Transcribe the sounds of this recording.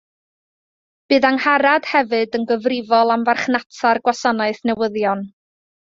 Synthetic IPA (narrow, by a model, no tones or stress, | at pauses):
b̥ɨːðaŋhaɾad̥hɛvɨdənɡəvrɪvɔlˠamvarχnatʰarɡwasɔnaɨθnɛwəðjɔn